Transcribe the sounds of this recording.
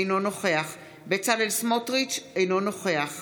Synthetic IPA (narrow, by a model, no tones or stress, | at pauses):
jno̞no̞χe̞aχ | bet͡salelsmotʁit͡ʃejno̞no̞χe̞aχ